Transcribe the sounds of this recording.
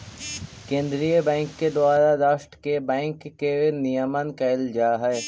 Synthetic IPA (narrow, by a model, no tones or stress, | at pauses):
kẽːnd̪ɾijəbɛ̃ːŋkːed̪ʊwaːɾaɾaːʃʈkebɛ̃ːŋkːenijəmənkɐld͡ʒaːɦɛː